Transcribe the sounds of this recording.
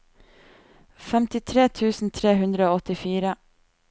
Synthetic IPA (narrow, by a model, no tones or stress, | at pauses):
fɛmt̪ɪt̪ʰɾeːt̪ʰʉːsn̩t̪ʰɾeːhʉnd̪ɾəoːɔt̪ɪfiːɾə